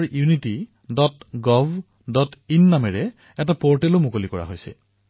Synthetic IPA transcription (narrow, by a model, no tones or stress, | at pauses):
ɹjuniti | dɔtɡɔv | dɔtinːamɛɹɛ | ɛtapɔɹtɛlomokolikɔɹa̰ɦojsɛ̰